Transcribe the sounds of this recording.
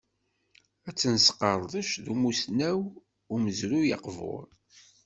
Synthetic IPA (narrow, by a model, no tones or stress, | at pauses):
æt͡sːənsqəɾˤðˤəʃðumusnæw | ʊməzɾujɑ̰qvo̰ɾˤ